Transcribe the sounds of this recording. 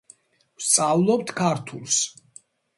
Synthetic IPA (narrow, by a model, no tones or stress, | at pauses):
vst̪sʼavlˠɔp̚t̪ʰkʰaɾt̪ʰulˠs